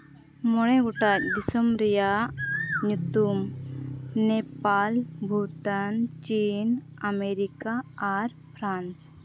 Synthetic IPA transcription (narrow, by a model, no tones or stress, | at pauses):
mɔɽɛɡɔʈac̚d̪isɔmɾɛjaʔɲut̪um | nɛpalbʱuʈant͡ʃin | ameɾikaːɾ | pʰɾans